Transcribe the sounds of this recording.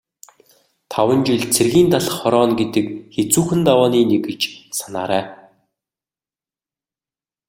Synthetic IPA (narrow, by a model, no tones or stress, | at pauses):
t̪ʰawə̆nt͡ɕiɮt͡sʰerɣiːnt̪aɮə̥̆χːɔɾɔːnɡet̪ɘ̆kxet͡suːxɘ̆nt̪awɔːniːneɡɘ̆t͡ɕsana̰ːɾæː